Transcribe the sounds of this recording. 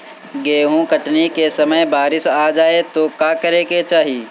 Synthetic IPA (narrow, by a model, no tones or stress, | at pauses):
ɡeːɦũkɐʈnikesɐməjbaːɾɪsaːd͡ʒaːet̪okaːkɐɾeːket͡ʃaːɦiː